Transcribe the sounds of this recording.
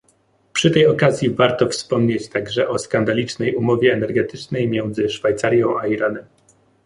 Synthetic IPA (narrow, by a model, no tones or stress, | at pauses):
pʂɘt̪ɛjɔkazʲjivaɾt̪ɔfspɔmɲet͡ɕt̪aɡʐɛʔɔskand̪alʲit͡ʂnɛjumɔvʲjɛːnɛɾɡɛt̪ɘt͡ʂnɛjmʲjɛnd̪zɘʂfajt̪saɾʲjɔ̃w̃aiɾanɛm